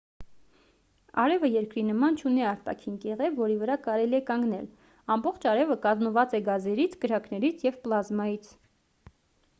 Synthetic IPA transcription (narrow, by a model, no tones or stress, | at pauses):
ɑ̰ɾɛvəjɛɾkɾinəmɑnt͡ʃʰuniɑɾt̪ɑ̰kʰinkɛʁɛvvːɔɾivəɾɑkɑɾɛliɛkɑŋɡnɛ̰l | ɑmbɔχt͡ʃʰɑɾɛvəkɑzməvɑt͡sɛɡɑzɛɾit͡sʰkəɾɑknɛɾit͡sʰjɛvplɑzmɑjit͡sʰ